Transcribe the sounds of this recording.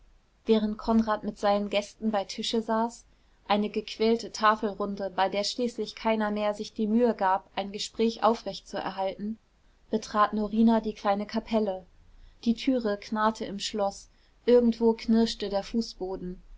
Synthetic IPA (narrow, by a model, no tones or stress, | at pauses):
v̥ɛːʁ̞ənt̚kʰɔnʁaːtmɪtz̥aɪnənɡɛstn̩baɪtʰɪʃəzaːs | ʔaɪnəɡəkʰv̥ɛːltətʰaːfl̩ʁʊndəbaɪdeːɐʃliːslɪçkʰaɪnɐmeːɐzɪçd̥iːmyːəɡaːpʔaɪnɡəʃpʁ̥ɛːçʔa̰ʊfʁ̥ɛçt͡suɛ̰ɐɦaltn̩ | b̥ətʁ̥aːtnoʁiːnadiːkʰl̥aɪnəkʰapʰɛlə | d̥iːtʰyːʁəkʰnaːtʰəɪmʃlɔs | ʔɪɐɡŋ̩tv̥oːkʰnɪɐʃtədeːɐfuːsb̥oːdn̩